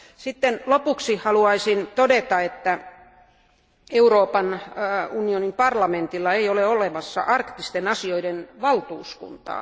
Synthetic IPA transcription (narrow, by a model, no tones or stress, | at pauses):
sit̪ːenlopuksihɑluɑisint̪odet̪ɑet̪ːæ | euroːpɑnunionimpɑrlɑment̪ilːɑeioleoleʋɑsːɑ̰ʔɑrkt̪ist̪enɑsioidenʋɑlt̪uːskṵnt̪ɑ̰ː